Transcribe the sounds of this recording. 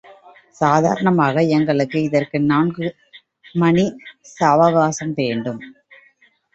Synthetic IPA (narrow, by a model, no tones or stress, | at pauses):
saːða̰ːɾɐɳɐmaːɣɐɛŋɡɐɭɯkːɯɪðɐrkɯnaːnɡɯ | mɐnisaːʋɐɣaːsɐmʋeːɳɖɯm